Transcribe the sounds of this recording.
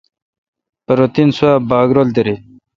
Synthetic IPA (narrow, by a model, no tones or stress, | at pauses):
pəɾot̪insuabaːɡɾold̪eɾi